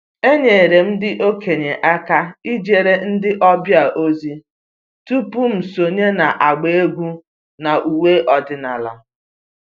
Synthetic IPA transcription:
e˦ɲe˨ɾe˨m̩˦dɪ˦ʔo˦kʰe˨ɲe˨ʔa˦ka˦i˦d͡ʒe˨ɾe˦n̩˦dɪ˦ʔɔ˦bja˨ʔo˦zi˦ | tu˦pu˦m̩˨so˨ɲe˦na˨ʔa˨ɡ͡be˦e˦ɡʷu˦ | na˨ʔu˨we˦ʔɔ˨dɪ˨na˨la̰˨

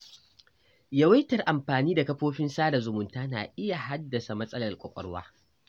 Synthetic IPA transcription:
ja˦wɐ˦jtɐ˨rʔa˨mɸaː˨niː˦da˨kɐ˦ɸoː˦ɸɪ˦nsaː˦da˨zʊ˨mʊ˨ntaː˦na̰ː˨ʔɪ˦ja˨ha˦dːɐ˨sa˨mɐ˦sʼɐ˦lɐ˨rkʷʼɐ˨kʷʼɔ̰˦ɽwa̰ː˦

